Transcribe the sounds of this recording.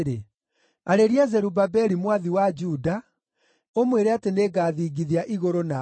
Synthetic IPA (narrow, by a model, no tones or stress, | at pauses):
ɾe | aɾeɾiazɛɾubabɛɾimwaðiwad͡ʒuda | omweɾeateneɡaːðiɡiðiaʔiɣoɾona